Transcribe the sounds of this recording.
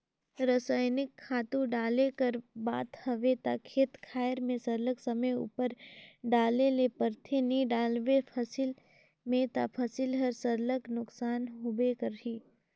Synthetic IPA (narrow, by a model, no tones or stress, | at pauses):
ɾəsaːɪnɪkʰːaːt̪ũɖaːlekɐɾba̰ːt̪hɐʋet̪a̰kʰeːt̪kʰaːjəɾmẽsɐɾləksɐməjṵːpəɾɖaːlelepəɾt̪ʰenĩɖaːlʋepʰɐsɪl | mẽt̪a̰pʰɐsɪlɦɐɾsəɾləknʊksaːnɦobekəɾɦiː